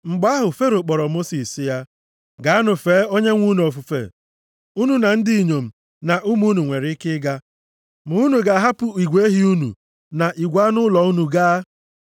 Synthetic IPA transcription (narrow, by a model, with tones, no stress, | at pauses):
ŋ͡m̩˨ɡ͡ba˦a˦ɦʊ˨fe˦ɾo˨k͡pɔ˨ɾɔ˨mo˦si˨si˨ja˦ | ɡa˨˦a˦nʊ˨feː˨˦o˦ɲe˦ŋʷu˦nu˨o˨fu˨fḛ˨ | u˦nu˨na˨n̩˦dɪ˦i˨ɲo˨m̩˨ | na˨ʔu˦mu˦nu˨ŋʷe˨ɾɪ˦kɪ˦ɡa˦ | mʊ˨u˦nu˨ɡa˨ɦa˦pʊ˦i˨ɡʷee˦ɦi˦u˦nṵ˨ | na˨ʔi˨ɡʷa˦nʊ˦lɔ˨u˦nu˨ɡaː˦